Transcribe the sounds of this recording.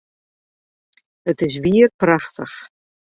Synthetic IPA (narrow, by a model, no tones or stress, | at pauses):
ətɪsviərpraχtʰəχ